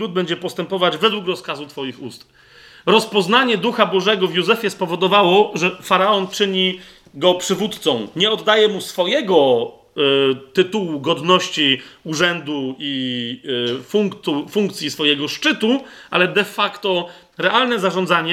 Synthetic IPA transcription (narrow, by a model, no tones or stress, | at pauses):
ud̪̚bɛɲd͡ʑɛpɔst̪ɛmpɔvad͡ʑvɛd̪wukɾɔskazut̪fɔjixust̪ | ɾɔspɔznaɲɛd̪uxabɔʐɛɡɔvʲjuzɛfʲjɛspɔvɔd̪ɔvawɔʐɛfaɾaɔnt͡ʂɘɲi | ɡɔpʂɘvut̪t̪sɔ̃w̃ɲɛɔd̪ːajɛmusfɔjɛɡɔ | t̪ɘt̪uwuɡɔd̪nɔɕt͡ɕiuʐɛnd̪ui | fuŋk̪ufuŋkt̪sʲjisfɔjɛɡɔʂt͡ʂɘt̪u | ʔa̰lɛd̪ɛfakt̪ɔ | ɾɛʔalnɛzaʐɔ̃nd̪zaɲɛ